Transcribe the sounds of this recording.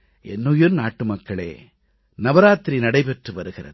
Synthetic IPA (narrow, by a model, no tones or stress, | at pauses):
ʔɛnːɯjɯɾnaːʈːɯmɐkːɐɭḛː | nɐʋɐɾaːt̪ɾinɐɽɐɪpɛʈrɯʋɐɾɯɣɪɾɐ̰ðɯ